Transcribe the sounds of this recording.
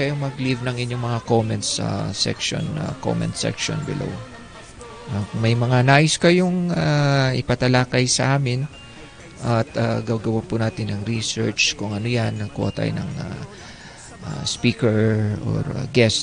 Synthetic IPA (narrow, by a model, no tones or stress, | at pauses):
ɐjomɐɡlivnɐŋʔɪɲjoŋmɐŋakomɛnt̪sa̰sɛ̰kʃo̰na̰ko̰mɛ̰nt̪sɛ̰kʃo̰nbɪ̰lo̰w | ʔɐŋmɐjmɐŋanaːʔɪskɐjoŋaʔɪpɐt̪ɐlaːkɐjsɐʔaːmɪn | ʔɐt̪aɡɐwɡɐwanpʊnaːt̪ɪnːɐŋɾisɛɹt͡ʃkʊŋɐnojanːɐko̰ːt̪ɐ̰jnɐ̰ŋa̰ | ʔa̰spiːkɛɹo̰ɹa̰ɡɛst̪